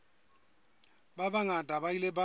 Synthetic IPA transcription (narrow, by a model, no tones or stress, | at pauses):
babaŋadʼʱabailɛba